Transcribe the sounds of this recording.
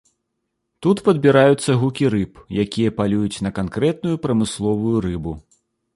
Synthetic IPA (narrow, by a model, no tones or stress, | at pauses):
t̪ut̪pɐd̪bʲiɾajut̪sːɐɣukʲiɾɨpjakʲijɐpalʲujut͡sʲnɐkankɾɛt̪̚nujupɾɐmɨslˠɔvujuɾɨbu